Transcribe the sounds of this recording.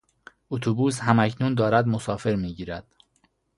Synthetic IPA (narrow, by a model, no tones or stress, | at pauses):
ut̪ʰubuːshæmæcʰnuːnd̪ɒːɾæd̪mosɒːfe̞ɾmiːɟiːɾæd̪̥